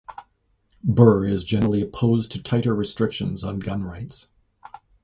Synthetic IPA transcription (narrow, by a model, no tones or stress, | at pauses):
bɜ˞ɪzd͡ʒɛ̃nəɹl̩ˠiɨpʰoʊztʰɨtʰaɪɾə˞ɹɨstɹ̥ɪkʃɨ̃nzn̩ɡʌ̃nɹaɪts